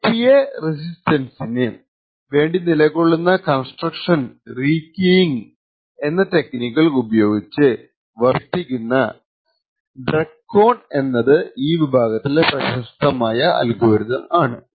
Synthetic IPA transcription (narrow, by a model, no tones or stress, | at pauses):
pijeres̬istɐnsinɨ | ʋe̞ːɳɖinilɐkoɭːunːɐkɐnsʈrɐkʂɐnriːkːijŋ | e̞nːɐte̞knikːɐɭkubɐjo̞ːɡit͡ɕːɨ | ʋɐrtːikʲːunːɐ | ɖrɐkːo̞ːɳe̞nːɐðɨiːʋibʱaːɡɐt̪ːilprɐɕɐʂt̪ɐmaːjɐɐ̰lɡoːɾuðɐmaːɳɨ